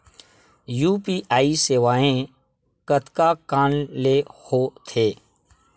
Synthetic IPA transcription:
juːpiːʔaːiseːʋaːẽ | kət̪kakaːnlehoːt̪ʰeː

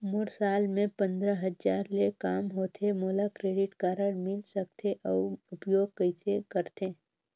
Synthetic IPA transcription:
mʊɾsaːlmẽpə̃nd̪ɾəɦəzaːɾlekaːmɦoːt̪ʰemoːlakɾeːɖɪʈkaːɾəɽmɪlsəkt̪ʰeʔɔːʊpjoːɡ̚kəɪsekəɾt̪eː

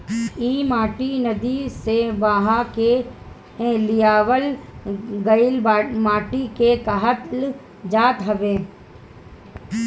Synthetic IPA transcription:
iːmaːʈinɐd̪iseʋaːɦake | ẽlɪjaːʋəl | ɡəɪlːmaːʈikekɐɦət̪l | d͡ʒaːt̪ɦɐʋeː

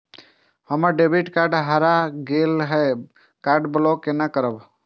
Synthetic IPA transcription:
həməɾɖebiʈkaːɾɖɦaɾaɡelɦɛ | kaːɾɖblɔkːenakəɾəb

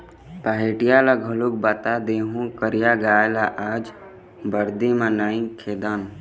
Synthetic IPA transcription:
pəɦeʈijalaɡʱəluk̚bat̪ad̪eːɦũkəɾijaɡaːelaʔaːd͡ʒ | bəɾd̪imãnaːĩkʰeːd̪aːn

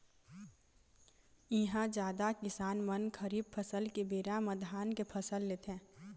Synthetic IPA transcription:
ɪɦãd͡ʒjaːd̪akɪsaːnmənkʰəɾiːb̚pʰəsəlkebeːɾaməd̪ʱaːnkepʰɐsəlːeːt̪ʰɛ̃ː

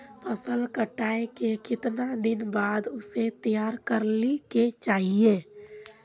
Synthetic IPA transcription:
pəsəlkəʈaːekekɪt̪nad̪ɪnbaːd̪ʊset̪ijaːɾkəɾliket͡ʃaːɦie

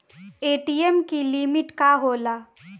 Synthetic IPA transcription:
eːʈiːemkilimɪʈkaɦoːlaː

